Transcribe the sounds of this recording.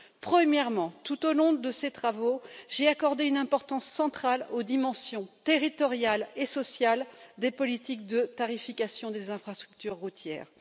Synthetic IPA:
pχəmjɛʁmɑ̃t̪ut̪olɔ̃d̪əset̪χavoʒeakɔʁd̪eynɛ̃pɔʁt̪ɑ̃sːɑ̃t̪χalod̪imɑ̃sjɔ̃t̪eʁit̪ɔʁjalesɔsjald̪epɔlit̪ik̚d̪ət̪aʁifikasjɔ̃d̪ezɛ̃fχast̪χyk̚t̪yʁːut̪jɛ̰ːʁ

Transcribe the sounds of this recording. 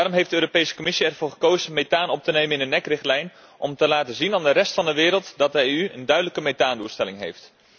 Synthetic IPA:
daːrɔmɦejftdəøːropejsə̥komɪsiɛrvʊːɹχəkowzənmetaːnɔp̚tənejmənɪnənːɛkrɪχtlɛjn | ʔɔmtəlaːtəzinaːndərɛstfɑndəʋɪːɾəlˠtdɑt̚dəeyə̰ndœɥdələkəmetaːnduːlˠstɛlɪŋɦḛjft

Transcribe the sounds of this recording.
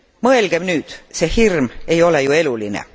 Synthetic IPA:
mɤ̞elɡ̥e̞mnyːd̪̥se̞ːhirme̞jo̞le̞jue̞lulinḛ

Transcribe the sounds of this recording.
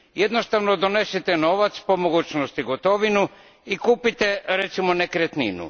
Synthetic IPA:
jed̪nost̪aʋnod̪onesit̪eno̞ʋat̪spo̞moɡuːt͡ɕnost̪iɡot̪o̞ʋinu | ikuːpit̪eɾet̪simonekɾet̪nḭnṵ

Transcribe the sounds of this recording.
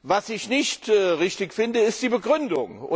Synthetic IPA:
vasɪçnɪçtːʁɪçtɪkfɪndəɪst̚d̥iːbəɡʁʏndʊ̰ŋʊ̰

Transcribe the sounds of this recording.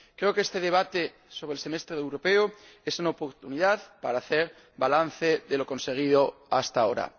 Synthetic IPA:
kɾe̞okest̪eð̞eβat̪e | so̞β̞ɾelsemest̪ɾeewɾopeo | esunaopoɾt̪uniðaðpaɾaːθeɾ | balan̟θeðeloko̞nseɣ̞ið̞oast̪ao̰ɾa̰

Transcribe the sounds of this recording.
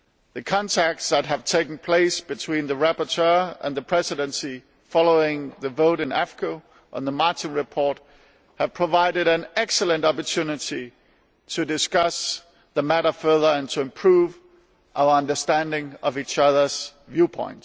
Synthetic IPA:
ðɨkʰɑ̃ntʰæk̚tsðət̚ɦɨv̥tʰeɪkn̩pʰl̥eɪsb̥ɨtʰw̥ĩnðɨɹæpə˞tʰɜ˞ə̰̃nðəpʰɹ̥ɛsɨɾə̃nsi | fɑlˠoʊɪ̃ŋðɨvoʊɾɨ̃næfɹkʰo | ʔə̃nðəmɑɹtɪ̃nɹɨpʰɔɹt̚ | hɨv̥pʰɹ̥əvaɪɾɨɾɨ̃nɛksəlˠə̃ntɑpə˞tʰʉnɪɾi | tʰɨdɨskʌs | ðəmæɾə˞fɜ˞ðə˞ɨ̃ntʰəɨ̃mpʰɹ̥uv | ʔaʊə˞ʌ̃ndə˞stæ̃ndɪ̃ŋʌvit͡ʃʌðə˞z̥ | vjʉpʰɔ̰̃ɪ̃nt

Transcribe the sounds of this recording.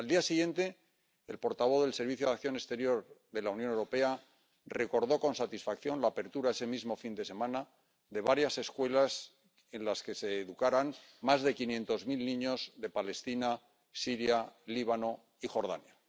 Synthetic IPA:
ald̪iasiɣje̞nt̪e̞̰ː | lpo̞ɾt̪aβ̞o̞ðe̞lse̞ɾβiθjoðak̚θjo̞ne̞st̪e̞ɾjo̞ɾðe̞launjonewɾo̞pe̞a | re̞ko̞ɾðo̞ko̞nsat̪isfakθjo̞nlaːpe̞ɾt̪uɾae̞semizmo̞find̪e̞se̞mãna | ðe̞βaɾjase̞skwe̞las | e̞nlaske̞se̞ːðukaɾanmazðe̞kinjẽ̞nt̪o̞zmilnĩɲozðe̞pale̞st̪ina | siɾjaliβ̞ano̞ | ixo̞ɾð̞a̰nja

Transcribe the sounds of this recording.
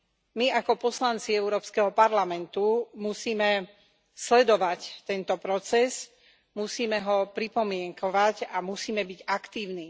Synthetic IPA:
miakɔpɔslant͡siɛʊɾɔːpskɛɦɔpaɾlamɛnt̪umusiːmɛ | slɛd̪ɔʋact̪ɛnt̪ɔpɾɔt͡sɛz | musiːmɛɦɔpɾipɔmɪɛŋkɔʋacamusiːmɛbiɟakt̪iːʊniː

